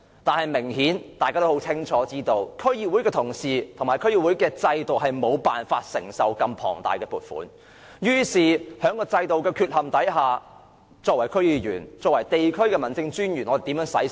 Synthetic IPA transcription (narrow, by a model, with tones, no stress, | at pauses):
t̪aː˨nhɐ˨jmɪ˨˩ŋhiː˨˥nt̪aː˨jkaː˥t̪o˥ho˨˥wt͡sʰɪ˥ŋt͡ʃʰɔː˨˥t͡siː˥t̪o˧wkʰɵ˥ɥjiː˨˧wu˨˥jkɛː˧t̪ʰʊ˨˩ŋsiː˨˩t̪ʰʊ˨ŋmaː˨˩kʰɵ˥ɥjiː˧˩wu˨˥jkɛː˧t͡sɐ˧jt̪o˨wɦɐ˨jmo˨˧wpaː˨nfaː˧t̚sɪ̰˨˩ŋsɐ˨wkɐ˧mpʰɔ̰ː˨˩ŋt̪a̰ː˨˩jkɛː˧puː˨˩t̚fṵː˨˥n | jyː˥siː˨hœː˨˧˥ŋkɔː˧t͡sɐ˧jt̪o˨wkɛː˧kʰyː˧t̚hɐ˨˩mt̪ɐ˨˥jɦaː˨˩ | t͡sɔː˧k̚wɐ˨˩jkʰɵ˥ɥjiː˨˧jy̰ː˨˩nt͡sɔː˧k̚wɐ˨˩jt̪e˨jkʰɵ˥ɥkɛː˧mɐ˨nt͡sɪ˧ŋt͡ʃyː˥njyː˨˩nɔ˧e˨t̪iː˨˧˥mjœː˨˥ŋsɐ̰˨˥j